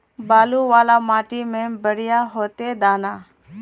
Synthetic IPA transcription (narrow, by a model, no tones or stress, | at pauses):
baːluːʋaːlaːmaːʈiːmẽːbəɽɪjaːɦoːt̪eːd̪aːnaː